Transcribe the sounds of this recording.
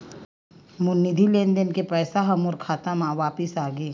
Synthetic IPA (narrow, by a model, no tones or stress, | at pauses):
mʊnːɪd̪ʱilẽːnd̪enkepɛːsaɦɐmʊɾkʰaːt̪amãʋaːpɪsaːɡeː